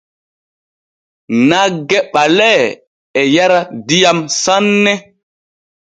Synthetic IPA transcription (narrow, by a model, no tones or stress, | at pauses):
naɡɛɓalɛ | ɛjaɾadijamsanːɛ